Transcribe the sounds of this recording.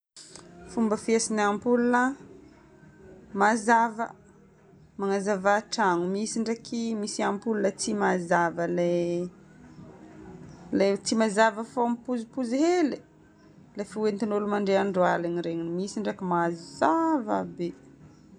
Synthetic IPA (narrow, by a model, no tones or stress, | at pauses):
fumbəfiesinampulunə | mazavə | maŋazavaʈ͡ʂaŋumisiɳɖ͡ʐakimisiampulunət͡simazavəle | let͡simazavəfompuzipuziɦeli | lefiwent̪inulumaɳɖ͡ʐeaɳɖ͡ʐoalaniɾeɲinmisiɳɖ͡ʐakimazzava̰be